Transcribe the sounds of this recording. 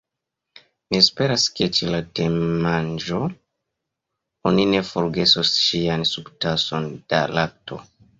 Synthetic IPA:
mispe̞ɾaske̞t͡ʃelatemand͡ʒo̞ | onine̞foɾɡe̞sosʃiansuktaso̞nd̥a̰lak̚tʰo̞̰

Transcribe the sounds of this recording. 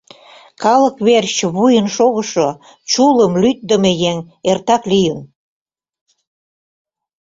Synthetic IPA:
kɑləkβerɕβujənʃoɣəʃo | t͡ɕuləmlyt̪̚d̪əmejeŋ | ert̪ɑklijən

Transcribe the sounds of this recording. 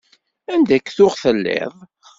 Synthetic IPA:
ænd̪ækːθʊʁθəlːḛðˤ

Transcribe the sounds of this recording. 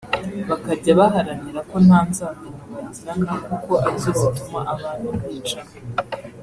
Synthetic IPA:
βakaɟaβaɦaɾaniɾako̞nhaːnzaːkamuβaːɲziɾaŋɡakuko̞ʔazozitumaʔaβaːnuwiːt͡ʃam

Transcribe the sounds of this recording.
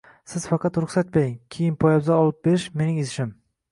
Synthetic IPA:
sɪz̥fɑqɑt̪ɾʊχsat̪̚beɾɪŋkʲʰejɪnpʰɒjawzaɒlˠɪp̚beɾɪʃme̞nɪŋezɪʃɪm

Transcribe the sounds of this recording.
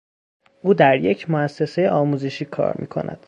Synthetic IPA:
ʔuːd̪æɾjecʰmoæsːe̞sejeɒːmuːze̞ʃiːkʰɒ̰ːɾmḭːkʰo̞̰nʔæ̰d̪̥

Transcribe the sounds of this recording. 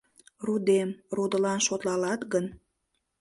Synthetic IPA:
rud̪emrud̪əlɑnʃot̪lɑlɑt̪ɡən

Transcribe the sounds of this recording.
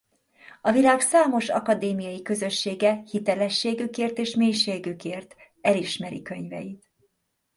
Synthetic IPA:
ɒvilaːɡsaːmo̞ʃɒ̰kɒd̪eːmijɒjikø̞zø̞ʃːeːɡɛhit̪ɛlɛʃːeːɡykeːrt̪eːʃmeːjʃeːɡykeːrt̪ | ɛliʃmɛɾḭkø̞ɲvɛ̰jit̪

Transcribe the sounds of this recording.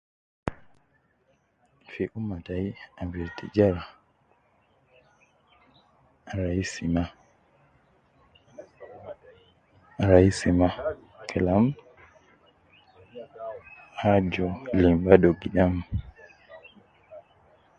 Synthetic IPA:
fiʔumataiaviɾtid͡ʒaɾa | ɾaisima | ɾaisima | kʰɛlam | had͡ʒɔlimbadɔɡiɗam

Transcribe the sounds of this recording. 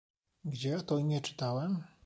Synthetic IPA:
ɡd͡ʑɛɔt̪ɔiɲɛt͡ʂɘ̥t̪awɛm

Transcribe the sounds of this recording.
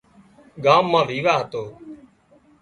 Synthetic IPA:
ɠaːmːãːʋiːʋaːɦət̪oː

